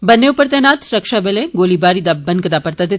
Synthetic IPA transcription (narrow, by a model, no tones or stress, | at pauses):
bɐnːeupəɾt̪ɛnaːt̪ɾɐkʃabelẽɡoːlibaːɾid̪abːɐnkɐd̪aːpɐɾt̪ad̪ɪt̪